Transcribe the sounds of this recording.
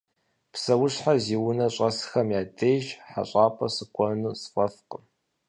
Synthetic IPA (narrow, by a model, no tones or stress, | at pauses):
psɐwʊɕħaziːwʊnɐɕʼɐsxɐmjaːdejʒħa̰ɕʼaːpʰɐsɨɡʷʰʼɔnusfɐfqəm